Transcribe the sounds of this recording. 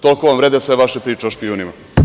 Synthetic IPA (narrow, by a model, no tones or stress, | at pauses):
t̪olkoʋamvɾed̪esʋeʋaʃepɾiːt͡ʃeoʃpiunima